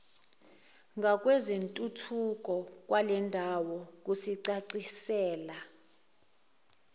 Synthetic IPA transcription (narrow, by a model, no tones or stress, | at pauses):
ŋʱak̬ʼwɛzentʼutʰuk̬ʼɔk̬walɛndʱawɔk̬usiǀaǀisɛːla